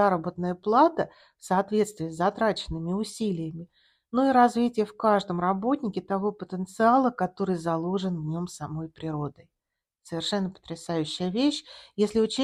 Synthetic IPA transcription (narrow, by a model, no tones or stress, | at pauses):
aɾəbət̪nəjəplˠat̪ə | fsɐɐt̪vʲe̞t̪st̪vʲɪːzzɐt̪ɾat͡ɕɪnːɨmʲɪʊsʲilʲɪjəmʲɪ | nuiɾɐzvʲitʲɪjəfkaʐd̪əmrɐbo̞tʲnʲɪkʲɪt̪ɐvo̞pət̪ənt̪sɨalˠəkɐt̪o̞ɾɨjzɐlˠoʐɨnvnʲo̞msɐmo̞jpɾʲɪɾo̞d̪əj | səvʲɪrʂɛnːəpə̥t̪ɾʲɪsajʉɕːɪjəvʲeɕjesʲlʲɪʊt͡ɕe